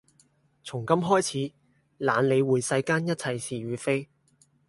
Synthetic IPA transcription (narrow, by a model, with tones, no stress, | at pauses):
t͡sʰʊ˨˩ŋkɐ˥mɦɔː˥jt͡sʰiː˨˥ | la̰ː˨˧nle˨˧jwuː˨jsɐ˧jkaː˥njɐ˥t̚t͡sʰɐ˧jsiː˨ɥyː˨˧fe˥j